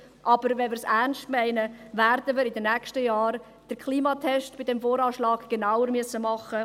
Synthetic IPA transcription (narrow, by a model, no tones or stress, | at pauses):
ʔɑb̥əɾʋɛnmɪːɾsæɾnstmɛɪnəvæɾdəməɾɪdənɛːkʃtəjɑːɾ | d̥əɾkʰliːmɑt̪ʰɛʃtb̥ɪdɛmfoːɾɑːʃlɑːɡ̥ɡ̥enawəɾmyəsəmɑχːə